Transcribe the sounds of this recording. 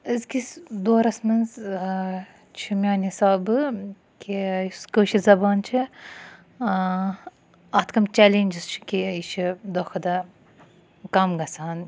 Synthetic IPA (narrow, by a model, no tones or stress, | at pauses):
ɨzkʲisd̪oːɾɐsmɨnz | t͡ʃʰimʲaːnʲhisaːbɨ | kʲʰiskəːʃizɐbɑːnt͡ʃʰi | ɐt̪kɐmt͡ʃɛlenʲd͡ʒɨz̥t͡ʃʰi̥kʲiiʃʰid̪oxɐd̪ɐ | kɐmɡɐsaːn